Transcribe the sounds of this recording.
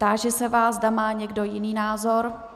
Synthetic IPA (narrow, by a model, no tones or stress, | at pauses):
t̪aːʒɛsɛvaːzdamaːɲɛɡdo̞jɪniːnaːzo̞ɾ